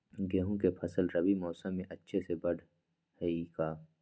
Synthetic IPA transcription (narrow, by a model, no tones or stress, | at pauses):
ɡeːɦũkepʰɐsəlɾɐbimɔːsə̃mẽʔɐtːʃʰesebɐɽ | hikaː